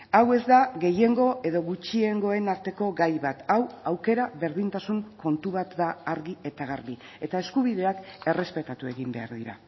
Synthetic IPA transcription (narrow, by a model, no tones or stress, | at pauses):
awe̞zd̪aɣe̞je̞ŋɡo̞ʔe̞ðo̞ɣut͡ʃie̞ŋɡo̞e̞naɾt̪e̞ko̞ɡajβat̪awawke̞ɾaβe̞ɾðint̪asuŋko̞nt̪uβat̪d̪aːɾɣie̞t̪aɣ̞aɾβi | e̞t̪ae̞skuβ̞iðe̞ake̞re̞spe̞t̪at̪ue̞̰ɣimbe̞̰a̰ɾðiɾa̰